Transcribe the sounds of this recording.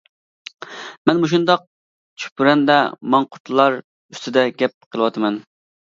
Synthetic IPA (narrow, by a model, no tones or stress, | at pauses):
mɛnmoʃ̬und̪ɑq̚ | t͡ʃʰy̥pyɾɛnd̪ɛmɑŋqʰʊt̪ʰlˠɑɾ | y̥st̪ʰɪd̪ɛɡʲɛp̚qʰəlˠɨwɑt̪ʰɨmɛn